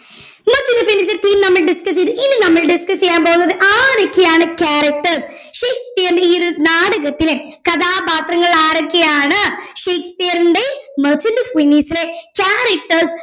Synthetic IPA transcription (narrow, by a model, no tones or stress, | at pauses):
mɐt͡ɕindɐfinːiːsilet̪iːmnɐmːɐɭɖiskɐst͡ɕːejɐðɨʔinːɨnɐmːɐɭɖiskɐsejːaːmboːunːɐðɨʔaːɾokːejaːɳɨkaːɾɐk̚ʈɐrs | ʂeːkspijɐɾɳɖeioɾunaːɽɐɣɐt̪ːile | kɐðaːbaːt̪rɐŋːɐɭaːɾokʲːejaːɳɨʂeːkspijɐɾɳɖemɐt͡ɕːundɨfwiniːsilekaːɾɐk̚ʈɐrs